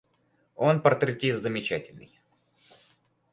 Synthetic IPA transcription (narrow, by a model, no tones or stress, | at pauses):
o̞npərt̪ɾʲɪtʲist̪zəmʲɪt͡ɕætʲɪlʲnɨ̰j